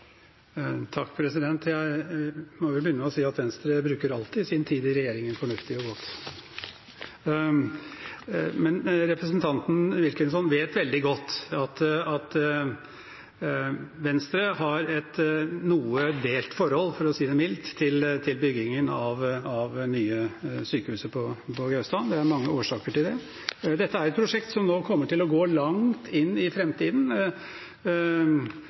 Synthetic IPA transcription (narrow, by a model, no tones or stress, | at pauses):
t̪ʰɑkːpʰɾɛsɪd̪ɛnt̪jæɪmɔʋɪbəʏnːəmɛɔsiːɑt̪ʋɛnst̪ɾəbɾʉːkəɾɑlt̪ɪsɪnt̪ʰiːd̪ɪɾɛjeːɾɪŋənfɔɳʉft̪ɪɔɡɔt̪ː | mɛnɾɛpɾəsnt̪ʰɑnt̪n̩ʋɪlkənsɔnːʋeːt̪ʋɛld̪ɪɡɔt̪ːɑt̪ɑt̪ | ʋɛnst̪ɾəɦɑɾɛt̪nuːəd̪eːlt̪fɔɾhɔlːfɔɾɔsiːd̪ɛmɪlt̪ʰːɪlt̪ʰɪlbʏɡɪŋənɑʋɑʋnyːəsyːkəhʉːsəpʰɔpʰɔɡɑʉst̪ɑːnd̪ɛæɾmɑŋːəoːʂɑːkəʈɪld̪ɛ | d̪ɛt̪ːəæɾɛt̪̚pʰɾʊʂɛkt̪sɔmnoːkʰɔmːəʈɪlɔɡoːlɑŋt̪ʰɪnːɪfɾɛmt̪iːd̪n̩